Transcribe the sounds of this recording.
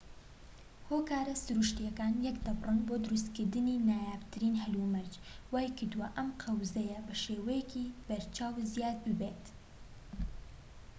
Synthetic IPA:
hoːkaːɾɐsɨɾuʃt̪ijɛkaːnjɛkd̪ɐbrɨnboːd̪ɨɾust̪kɨɾd̪ɨninaːjaːft̪ʰɨɾiːnɦɐlumɐɾd͡ʒwaːjkɨɾd̪uwɐʔɐmqʰɐwzɐjɐbɐʃeːwɛjɛkib̥ɐɾt͡ʃaːwzijaːt̪̚bɨbet̪

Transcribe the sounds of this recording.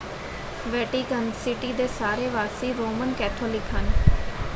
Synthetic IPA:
ʋɛːʈiːkənsɪʈiːd̪eːsaːɾeːʋaːsiːɾoːmənkɛːt̪ʰoːlɪkɦən

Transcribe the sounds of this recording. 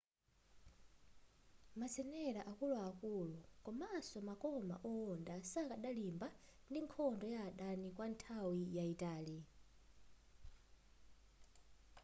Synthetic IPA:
mat͡sʰɛnɛɺaʔakuluakuːluŋkɔmasɔmakʼɔma̰ʔɔɔndasakʼaɗalimbandiŋkʰɔndɔjaːɗanik̬ʼwantʰawijaitʼaːli

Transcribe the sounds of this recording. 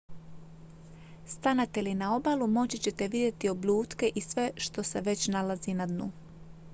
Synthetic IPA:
st̪anat̪elinao̞balumo̞t͡ɕit͡ɕe̞t̪e̞ʋid̪je̞t̪io̞bʎʲuːt̪ke̞ʔisʋe̞ʃt̪o̞se̞ʋe̞t͡ɕnalazinad̪nuː

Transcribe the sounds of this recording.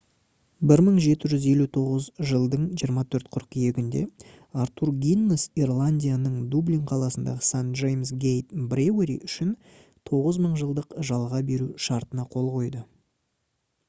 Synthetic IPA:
bɪɾməɴʒe̞t̪ɪʒʏze̞lut̪ʰo̞ʁəzʒəlˠd̪əɴʒijəɾmɑt̪ʰɵɾt̪qʰʊɾqje̞ɡʲɪnd̪e̞̰ | aɾt̪uɾɡʲinːosirlˠanʲdʲijanəɴd̪ubliŋqʰɑlˠɑsənd̪ɑ̰ʁəsanʒejmsɡʲejt̪breweɾḭʔʏʃɪn | t̪ʰo̞ʁəzməɴʒəlˠd̪əqʒɑlˠʁɑbe̞ɾuʃɑɾt̪ənɑqʰo̞lˠqo̞jd̪ə

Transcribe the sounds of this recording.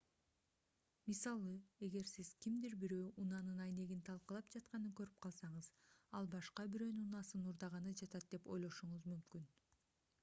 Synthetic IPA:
misɑlˠɯe̞ɡe̞ɾsiz̥kimd̪iɾbiɾøːʔunɑnɯnɑjne̞ɡint̪ʰɑlˠqɯlˠɑpd͡ʒɑt̪qɑnɯkø̞ɾyp̚qʰɑlˠsɑɴɯzɑlˠbɑʃqɑbiɾønyunɑsɯnuɾd̪ɑʁɑnɯd͡ʒɑt̪ɑt̪̚d̪e̞po̞̰jlˠo̞ʃuɴuzmymkyn

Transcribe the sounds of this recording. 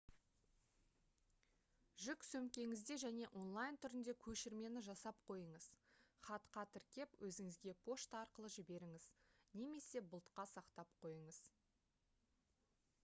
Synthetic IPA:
ʒʏksɵmkʲe̞ŋɪzd̪e̞ʒæne̞ʔo̞nlˠajnt̪ʰʏɾɪnd̪e̞kʲʰɵʃɪɾme̞nɪʒɑsɑp̚qʰo̞jəɴəz̥χɑt̪qʰɑt̪ʰɪɾkʲe̞pwʔɵzɪŋɪzɡʲe̞pʰo̞ʃt̪ɑɾqəlˠəʒɪbe̞ɾɪŋɪz̥ne̞me̞se̞bʊlˠt̪qɑsɑqt̪ɑp̚qʰo̞jəɴəz̥

